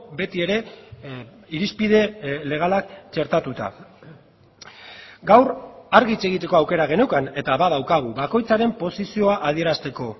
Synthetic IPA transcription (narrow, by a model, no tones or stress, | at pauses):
be̞t̪ie̞ɾe̞ | iɾispið̞e̞le̞ɣ̞alakt͡ʃe̞ɾt̪at̪ut̪a̰ | ɡawɾaɾɣit͡se̞ɣit̪e̞ko̞awke̞ɾaɣ̞e̞ne̞wkane̞t̪aβaðawkaɣ̞uβako̞jt͡saɾe̞mpo̞sisio̞aʔað̞ie̞ɾast̪e̞ko̞